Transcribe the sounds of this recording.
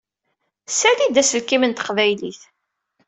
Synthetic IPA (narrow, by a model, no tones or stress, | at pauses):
sælid̪æsəlkimənt̪ə̥qvæjlḭθ